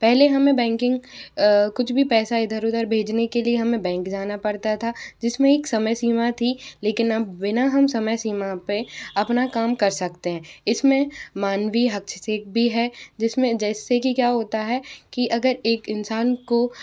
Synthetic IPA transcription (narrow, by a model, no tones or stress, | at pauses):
pɛɦleɦɐmẽbɛ̃ːŋkɪ̃ŋɡ | kʊt͡ʃʰbʱipɛːsaɪd̪ʱəɾʊd̪əɾbʱeːd͡ʒnekelieɦɐmẽbɛ̃ːŋkd͡ʒaːnapɐɽt̪at̪ʰad͡ʒɪsmẽeːksɐməjsiːmat̪ʰileːkɪnɐbbɪnaɦɐmsɐməjsiːmapeɐpnakaːmkɐɾsɐkt̪eɦɛ̃ːɪsmẽmaːnwiɦɐkʃʰseːk̚bʱiɦɛd͡ʒɪsmẽd͡ʒɛːsekikjaːɦoːt̪aɦɛkiʔɐɡəɾeːkɪnsaːnko